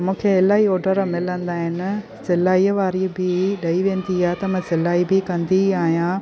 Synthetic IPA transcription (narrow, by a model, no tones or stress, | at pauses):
mũːkʰeɪlaːioːɖəɾmɪlə̃nd̪aːɦɪnɪ̆ | sɪlaːiəʋaːɾibɪɗɐiʋẽːnd̪iaːɦet̪ɐmɐ̃sɪlaːibɪkɐ̃nd̪iaːɦijãː